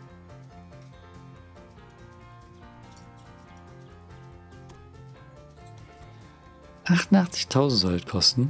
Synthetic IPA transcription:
ʔaχtntaχt͡sɪ̥çtʰaʊzn̩tz̥ɔltkʰɔstn̩

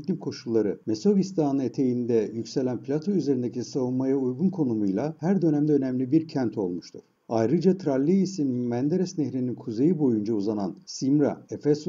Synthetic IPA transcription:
lʲimkʰo̞ʃulˠːaɾɯme̞so̞vist̪ʰaːnɯet̪ʰe̞jind̪ɛjycse̞lʲænplʲat̪ʰo̞yze̞ɾind̪ecisavunmajaujɡunkʰo̞numujlˠahæɾd̪ø̞næmd̪ɛø̞nɛmlʲibiɾcʰænt̪ʰo̞lˠmuʃt̪ʰuɾ̥ | ajɾɯd͡ʒat̪ʰɾalʲːiisinmænd̪eɾɛsneçɾininkʰuze̞jibo̞jund͡ʒauzanansimɾa̰efes

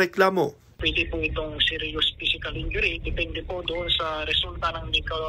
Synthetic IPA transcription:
ɛklaːmo | pwɛːd̪ɪpuʔɪt̪oŋsiɾjʊspiːsɪkɐlhɪnd͡ʒʊɾid̪ɛpɛnd̪ɛpod̪ʊʔonsɐɾɛsult̪ɐnɐŋnɛkɐw

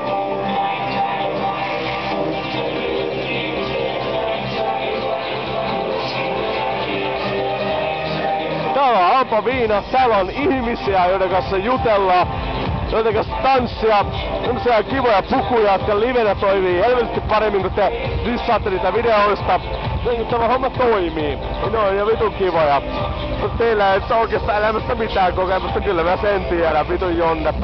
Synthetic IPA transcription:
t̪æːloɑlpɑʋiːnɑt̪æːlːonihmisiæjoit̪ekɑsejut̪elːɑː | jot̪ɑkɑst̪ɑnsːiɑsemːosiɑkiʋojɑpukujɑjot̪kɑliʋenæt̪oiʋiːhelʋet̪est̪ippɑɾemːiŋkut̪t̪eʋisːɑːt̪ːeniːt̪æʋideoist̪ɑ | niŋkut̪t̪æmæhomːɑt̪oimiː | minonjɑʋit̪uŋkiʋojɑ | mut̪t̪eilːæet̪ːoˑikeːst̪ɑelæmæst̪æmit̪æːŋkokemæst̪ːɑkylːæmæsent̪ieɾæʋʋit̪ujjonːɑt̪ː

